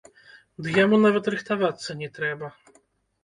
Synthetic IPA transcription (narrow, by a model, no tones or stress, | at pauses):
d̪ɨjamunavɐt̪ɾɨxt̪avat̪sːɐnʲɛt̪ɾɛbɐ